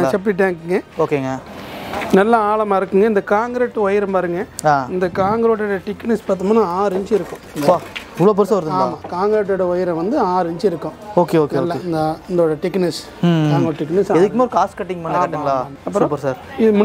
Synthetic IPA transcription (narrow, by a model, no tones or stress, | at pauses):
nãt͡ʃɛpːʈɪʈːãːŋkɯŋɡɐoːkeːŋɡɐ | nɐlːɐaːɭɐmaːɪɾɯkːɯŋɡɐɪnd̪ɐkaːŋɡɾeːʈːɯʋɐjɪɾɐ̃mpaːɾɯŋɡɐaːɪnd̪ɐkaːŋɡɾeʈːɽɐʈɪkːnɪspaːt̪ːɯmaːnãːaːɾɪɲd͡ʒɪɾɯkːʊ̃ɪpaʊʋɭɐp̬ɐɾsɐʋɐɾðaːmaːkaːŋɡɾeʈːɐɽɐʋɐjɪɾɐ̃ʋɐnd̪ɯaːɾɪɲd͡ʒɪɾɯkːʊ̃oːkeoːkeoːlːeɪnd̪ɐɪnd̪oːɽɐʈɪkːnɪs | kaːŋɡɾʈɪkːnɪsaɛðɯkːɯmaːɾɯkaːskɐʈːɪŋɡmɐnːɐːkɐʈːɯɡɐɭaːɐpsːɾ̃pːɐɾsaːɾɪðɯmʊ